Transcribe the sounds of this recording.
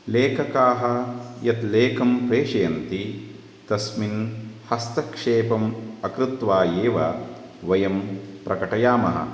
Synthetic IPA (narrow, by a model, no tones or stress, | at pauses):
leːkʰɐkaːɦɐjɐt̪leːkɐmpɾeːʂɐjɐnt̪i | t̪ɐsminhɐst̪ɐkʂeːpɐmɐkɾɪt̪ʋaːjeːʋɐ | ʋɐjɐmpɾɐkɐʈɐjaːmɐ̰ɦɐ̰